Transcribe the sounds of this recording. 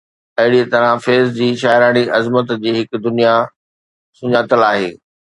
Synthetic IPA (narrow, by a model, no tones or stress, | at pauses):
ɐɦɪɽiet̪ɐɾãfeːzd͡ʑiːʃaːɪɾaːɽ̃iʔɐzmət̪d͡ʑiːɦɪkd̪ʊnija | sʊɲaːt̪əlaːɦḛː